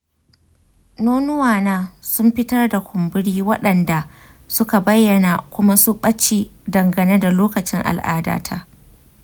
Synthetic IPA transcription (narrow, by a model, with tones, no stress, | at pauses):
noː˦nʊ˦waː˨naː˦sʊ˦mɸɪ˦tɐ˦rda˨kʷʊ˨mbɪ˦ɽiː˦wɐ˦ɗɐ˨nda˨ | sʊ˦ka˨bɐ˦jːɐ˨na˨kʷʊ˦ma˦sʊ˦ɓɐ˦t͡ʃiː˦dɐ˨ŋɡɐ˨ne˦da˨loː˦kɐ˨t͡ʃɪ˦ŋʔa̰˨lʔa̰ː˦da̰ː˦tʰa̰ː˦